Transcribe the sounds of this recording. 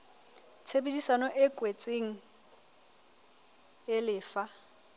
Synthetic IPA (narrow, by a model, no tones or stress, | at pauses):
t͡sʰebedisanɔʔɪkʼwet͡sʼeŋ̩ | ɪlɪːfa